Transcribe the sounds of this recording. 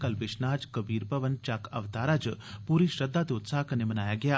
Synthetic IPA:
kɐlbɪʃnaːd͡ʒkəbiːɾpɐʋənt͡ʃaːkʰɐ̰ʋt̪aːɾaːd͡ʒpuːɾiːʃɾɐd̪ːaːt̪eʊt̪saːɦkɐnemɐnaːjaːɡɐjaː

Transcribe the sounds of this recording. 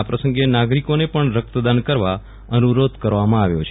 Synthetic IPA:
apɾəsə̃ŋɡenaɡɾikonepəɳɾək̚t̪d̪ankəɾʋa | ənuɾod̪kəɾʋamãaʋjo̰t͡ʃʰ

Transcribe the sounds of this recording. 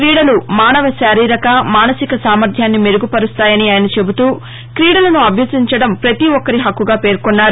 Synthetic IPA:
kɾiːɽɐlumaːnɐʋɐʃaːɾiːɾɐkɐmaːnɐsikɐsaːmɐɾd̪ʱjaːnːime̞ɾuɡupɐɾust̪aːjɐniaːjɐnɐt͡ʃe̞but̪uː | kɾiːɽɐlɐnuɐbʱjɐsiɲt͡ʃɐɽɐmpɾɐt̪iɔkːɐɾiɦɐkːuɡaːpe̞ːɾkonːaːɾu

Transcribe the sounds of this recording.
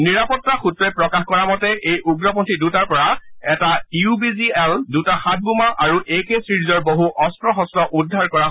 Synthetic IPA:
niɹapɔtːaxutɹɔjpɹɔkaxkɔɹamɔtɛʔejʔuɡɹɔpɔntʰidutaɹpɔɹaɛtaiubiziɛldutaxat̚ʰbumaʔaɹuʔekesɹiɹizɔɹboɦuʔɔstɹɔxɔstɹɔʔudʱːaɹkɔɹa

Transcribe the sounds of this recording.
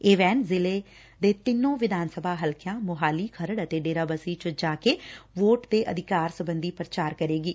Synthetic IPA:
eːʋɛːnzɪleː | d̪eːt̪ɪnːõːʋɪd̪ʱaːnsəbʱaːɦəlkjãːmʊɦaːliːkʰəɾəɽət̪eːɖeːɾaːbasiːt͡ʃəd͡ʒaːkeːʋoːʈd̪eːʔəd̪ʱɪkaːɾsəbənd̪iːpɾət͡ʃaːɾkəɾeːɡiː

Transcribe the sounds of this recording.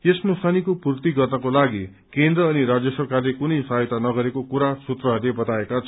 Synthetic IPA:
esnosanikopurt̪iɡʌrnʌkolaɡi | kend̪rʌːniɾad͡zjʌsʌrkarlekunʌjsajt̪anʌɡʌɾekokuɾasut̪rʌɦʌrlebʌt̪aekat͡sʰʌ

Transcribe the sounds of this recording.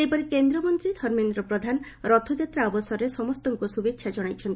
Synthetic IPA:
epɔɾikend̪ɾɔmɔnt̪ɾid̪ʱɔɾmend̪ɾɔpɾɔd̪ʱan | ɾɔt̪ʰod͡ʒat̪ɾaɔbɔsɔɾesɔmɔst̪ɔŋkusubekʃʰad͡ʒɔɽ̃ajt͡ʃʰɔnt̪ii

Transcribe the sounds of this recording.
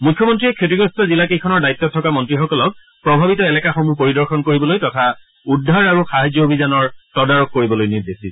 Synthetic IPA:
mujkʰjɔmɔntɹiɛkʰetiɡɹɔstɔzilakejkʰɔnɔɹdajt̪ːɔtʰːɔkamɔntɹixɔkɔlɔk̚ | pɹɔbʱabitɔɛlɛkaxomupoɹidɔɹxɔnkoɹibɔlojtɔtʰa | udʱːaɹaɹuxaɦad͡ʒɔobʱizanɔɹtɔdaɹɔkːoɹibɔlojniɹdesi

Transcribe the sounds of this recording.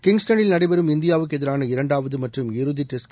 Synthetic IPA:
kɪŋɡsʈɐnɪlnɐɽɐɪbɐɾɯmɪnd̪ɪjaːʋɯkːɛðɪɾaːnɐɪɾɐɳɖaːʋɐðɯmɐʈrɯmɪɾɯðiʈːɪsk

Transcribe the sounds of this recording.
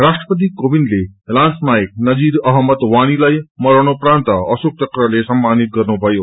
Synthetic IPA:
rasʈrʌpʌt̪̬ikobinlelansmaek̚nʌd͡ziɾʌɦʌmʌt̪wañilajmʌɾʌnoprant̪ʌʌsok̚t̪ʌkrʌlesʌmːanit̪̚ɡʌrnubʱʌjo

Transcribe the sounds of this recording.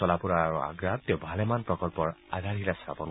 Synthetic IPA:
ɔlapuɹaːɹua̰ɡɹateʊbʱalɛmanpɹɔkɔlpɔɹaɡʱaɹilastʰa̰pɔn

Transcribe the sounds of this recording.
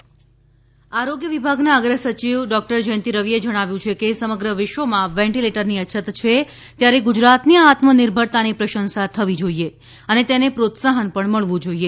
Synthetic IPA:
aɾoɡjəʋibʱaɡnaəɡɾəsət͡ʃiʋɖɔk̚ʈəɾd͡ʒənt̪iɾəʋied͡ʒəɽ̃aʋjũt͡ʃʰekesəməɡɾəʋɪʃʋəmãʋɛ̃ɳʈileʈəɾniət͡ʃʰət̪t͡ʃʰe | t̪jaɾeɡud͡ʒɾat̪niaat̪məniɾbʱəɽt̪anipɾəʃənsat̪ʰəʋid͡ʒoie | ənet̪enepɾot̪saɦənpəɳməɭʋũd͡ʒoie

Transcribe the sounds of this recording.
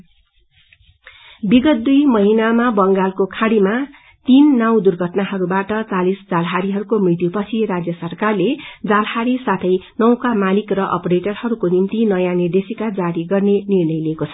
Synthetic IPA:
biɡʌt̪̚d̪ujmʌɦinamabʌŋɡalkokʰãɽima | t̪inːaw̃d̪urɡʱʌʈnaɦʌɾubaʈʌt͡salisd͡zalɦaɾiɦʌɾukomrit̪jupʌt͡sʰirad͡zjʌsʌrkarled͡zalhaɾisat̪ʰʌjnʌw̃kamalikrʌʔʌ̰preʈʌrhʌɾukonimt̪inʌjanird̪esikad͡zaɾiɡʌrnenirnʌjliekot͡sʰʌ̥

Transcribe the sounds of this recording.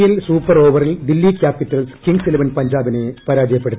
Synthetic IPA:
jilsuːpːɐroːʋɐrilɖilːikʲaːpːitːɐlskiɳsilɐʋɐnpɐɲd͡ʑaːbinepɐɾaːd͡ʑɐjɐpːeɽut̪ː

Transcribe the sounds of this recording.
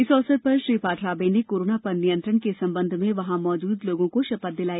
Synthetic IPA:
ɪsɔːsət̪̚pɐɾʃɾiːpaːʈʰɾaːbeːnekoːɾoːnapɐɾnijə̃nt̪ɾəɽkesɐ̃mbə̃nd̪ʱmẽʋɐɦãmɔːd͡ʒuːd̪loːɡõkoʃɐpət̪̚d̪ɪlaːji

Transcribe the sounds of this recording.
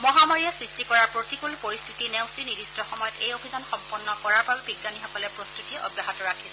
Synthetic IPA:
mɔɦamaɹijasɹistikɔɹaɹpɹotikulpoɹistʰitinewsinidistʰɔxɔmɔjɔtejobʱidanxɔmpɔnːɔkɔɹaɹbabɛbiɡːanixɔkɔlɛpɹostutiɛʔɔ̰bjaɦɔtɔɹakʰilɛ

